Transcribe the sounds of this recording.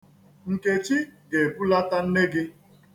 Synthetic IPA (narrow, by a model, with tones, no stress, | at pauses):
ŋ̩˨ke˨t͡ʃi˦ɡe˨bu˦la˦ta˦n̩˦ne˦ɡɪ˦